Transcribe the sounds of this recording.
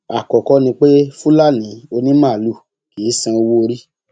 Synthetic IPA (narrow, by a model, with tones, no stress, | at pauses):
a˨kɔ˨kɔ˧nĩ˧k͡pe˦fũ˦la˦˨nĩ˨˦o˧nĩ˦mãː˦˨lu˦˨ | ke˨˦sã˧wo˦o˧ɾi˦